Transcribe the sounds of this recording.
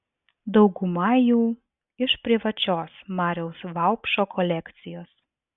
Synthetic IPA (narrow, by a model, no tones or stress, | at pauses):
d̪ɒʊɡʊmɐjuː | ɪʃpʲɾʲɪʋɐt͡ʃʲoːsmɑːɾʲɛʊsʋɑʊpʃoːkʰɔlʲɛkt̪sʲɪjoːs